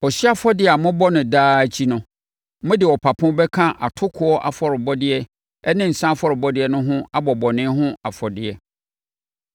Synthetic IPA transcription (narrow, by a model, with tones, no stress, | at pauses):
ɔ˨ɕi˦a˦fɔ˦dɪ˨a˨mʊ̃˦bɔ˦nʊ̃˨daː˦t͡ɕʰi˦nʊ̃˨ | mʊ̃˦dɪ˨ɔ˨pʰa˨pʰʊ̃˦bɛ˦kʰã˦ʔa̰˨tʰʊ˦kʰʊ˨ɔ˦ʔa̰˦fɔ˨ɾɪ˨bɔ˦dɪ˦ɛ˦ | ɛ˦nɪ̃˦n̩˨sã˦fɔ˨ɾɪ˨bɔ˦dɪ˦ɛ˦nʊ̃˦ɦʊ̃˦a˦bɔ˨bɔ˨nɪ̃˦ɦʊ̃˦a˨fɔ˨dɪ˨ɛ˨